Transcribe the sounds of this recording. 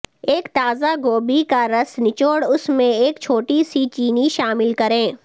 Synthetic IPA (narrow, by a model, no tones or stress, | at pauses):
eːkt̪aːzaɡoːbikaɾɐsnɪt͡ʃoːɽʊsmẽeːkt͡ʃʰoːʈisit͡ʃiːniʃaːmɪlkɐɾẽː